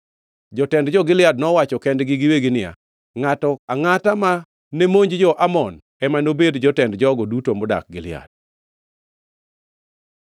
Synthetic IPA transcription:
d͡ʒɔtɛndd͡ʒɔɡɪlɪad̚nɔwat͡ʃɔkɛndɡɪɡɪweɡɪnɪa̰ | ŋatɔaŋatama | nemoɲd͡ʒd͡ʒɔʔamɔn | ɛmanobedd͡ʒɔtɛndd͡ʒɔɡɔdutomʊda̰k̚ɡɪlɪa̰d̚

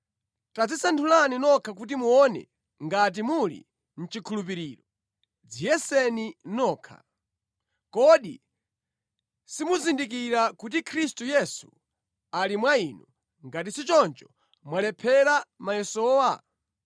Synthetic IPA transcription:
tad͡zisantʰulaninɔkʰak̬ut̬imuɔnɛ̰ | ŋɡat̬imulḭ | n̩t͡ʃikʰulup̬iɾiːɾɔ | d͡zijɛsɛninɔːkʰa̰ | kɔɗḭ | simuzindik̬iɾakut̬ikʰɾistujɛsṵ | alimwainu | ŋɡatisit͡ʃɔnt͡ʃɔ̥ | mwalɛpʰɛɾamajɛsɔːwa

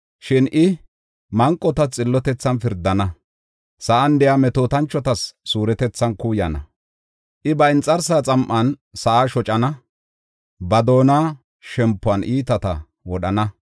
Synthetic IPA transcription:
ʃɪnʔɪ | mɐŋkʼːɔt̪ɐt͡sʼɪlːɔt̪ɛt͡sːɐnfɪɾd̪ːɐnɐ | sɐʔɐnd̪ɛjamɛt̪oːt̪ɐnt͡ʃːɔt̪ɐsːuːɾɛt̪ɛt͡sːɐnkuːjɐnɐ̰ | ʔɪbɐɪnt͡sʼːɐɾsaːt͡sʼɐmʔɐnsɐʔaːʃɔt͡ʃʼɐnɐ | bɐd̪o̞ːna | ʃɛmpːʊɐnʔiːt̪ɐt̪ɐ̰ | wɔɗɐnɐ

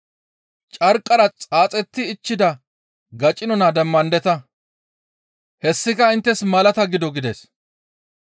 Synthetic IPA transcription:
t͡ʃʼɐɾkʼːɐɾɐt͡sʼaːt͡sʼɛt̪ːɪːt͡ʃːɪd̪ɐ | ɡɐt͡ʃʼːɪnɔnad̪ɛmːɐnd̪ɛt̪ɐ | hɛsːɪkɐɪnt̪ːɛsmɐlɐt̪ɐɡɪd̪ɔɡɪd̪es

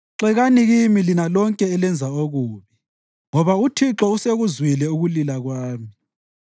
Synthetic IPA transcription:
ǁɛɣaniɣimilinalɔŋkʼɛːlɛnd͡zʱaoɣuːβi | ŋɔβautʰiǁɔuseɣuzwilɛuɣulilaɣwaːmi

